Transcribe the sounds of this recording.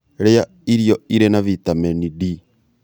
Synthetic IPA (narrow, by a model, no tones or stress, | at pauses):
ɾeja | iɾiɔiɾenaβitamɛnidi